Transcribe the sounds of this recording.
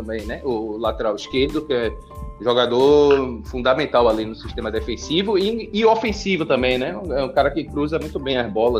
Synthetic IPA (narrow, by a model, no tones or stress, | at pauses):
t̪ɐ̃mbẽj̃nɛʊlat̪ɛɾawiʃkeɾd̪ʊkɪɛ | ʒɔɡad̪oɾfũnd̪amẽnt̪awalinʊsiʃt̪ẽmɐd̪ɛfẽsivʊiɪofẽsivʊt̪ɐ̃mbẽj̃nɛ̃ɛũkaɾɐkɪkɾuzɐmũj̃t̪ʊbẽj̃ɐzbɔlɐ